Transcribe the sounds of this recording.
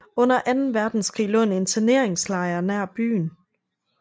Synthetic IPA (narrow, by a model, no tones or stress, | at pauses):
ɔ̽n̰ɐʔænn̩ʋæɐd̥n̩skʁḭːlɔ̽ne̝nt͡sʰɐne̝ɐ̰eŋslɑ̈ɪɐnæɐ̰b̥y̰ːn